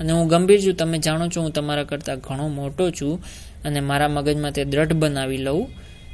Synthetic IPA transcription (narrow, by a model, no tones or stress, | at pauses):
əneɦũɡəmbʱiɾt͡ʃʰũt̪əmẽd͡ʒaɽ̃ot͡ʃʰoɦũt̪əmaɾakəɾt̪aɡʱəɽ̃omoʈot͡ʃʰũ | ənemaɾaməɡəd͡ʒmãt̪ed̪ɾəʈbənaʋiləũ